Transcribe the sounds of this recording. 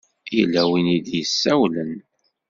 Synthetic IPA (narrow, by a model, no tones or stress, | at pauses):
jəlːæwinid̪jəsːæwlən